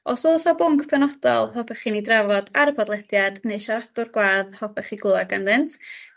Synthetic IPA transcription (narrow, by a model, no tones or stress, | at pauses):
ɔsoːsabʊŋkʰpʰɛnɔd̥ɔ̰lˠhɔfɛχinidravɔdaɾəpʰɔdlˠɛdjadneɨʃaɾadʊrɡwaːðhɔfɛχiɡlˠʊaɡanðɪntʰ